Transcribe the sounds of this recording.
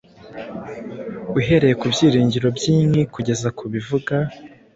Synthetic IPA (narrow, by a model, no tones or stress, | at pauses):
uɦe̞ɾe̞je̞kubɟiːɾiːɲɟiɾo̞bjiːmŋikuɟe̞zakʰuβivuɡa